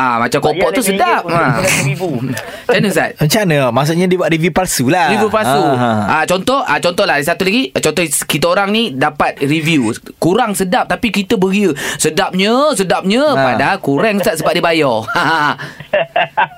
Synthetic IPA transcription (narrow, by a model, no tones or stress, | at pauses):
ʔamat͡ʃamkopɔʔ̚t̪usədapaibu | anəsa̰t̪̚ət͡ʃanəmas̬uʔɲadiəbuat̪ɾivjupalsulaɾibupalsuʔat͡ʃɔnt̪ɔhʔat͡ʃɔnt̪ɔhlahdisat̪ulaɡit͡ʃɔnt̪ɔhkit̪aoɾaŋnidapat̪̚rivjukuɾaŋsədap̚t̪apikit̪əbəɡiəsədap̚ɲəsədap̚ɲə̃padaɦalkuɾɛŋusat̪̚səbaʔ̚dibajɔa